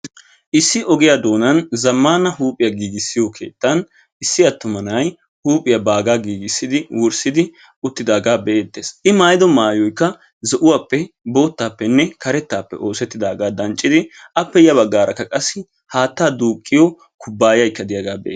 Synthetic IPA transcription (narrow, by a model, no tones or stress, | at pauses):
ʔɪsːɪʔɔɡɪjaːd̪o̞ːnɐnzɐmːaːnɐhuːpʼɪjɐɡiːɡɪsːɪjɔkʰe̞̰ːt̪ːɐn | ɪsːɪɐt̪ːʊmɐnɐj | huːpʼɪjɐbaːɡaːɡiːɡɪsːɪd̪ɪwɔɾsɪd̪ɪ | ʊt̪ːɪd̪aːɡaːbɛʔeːt̪ːeːsʔɪmaːjɪd̪ɔmaːjɔjkːɐ | zɛʔʊwaːpːɛbo̞ːt̪ːaːpːɛnːɛkɐɾɛt̪ːaːpːɛ̰ʔo̞ːsɛt̪ːɪd̪aːɡaːd̪ɐnt͡ʃʼːɪd̪ɪʔɐpːɛjɐβɐɡːaːɾʔɐkːɐkʼɐsːɪ | haːt̪ːaːd̪uːkʼːɪjɔ | kʰʊbːaːjɐjkːɐd̪ɪjaɡaːbɛ̰ʔḛː